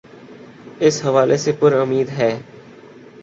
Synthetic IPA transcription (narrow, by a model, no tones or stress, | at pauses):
ɪsɦɐʋaːlʔesepʊɾʊmiːd̪ɦɛː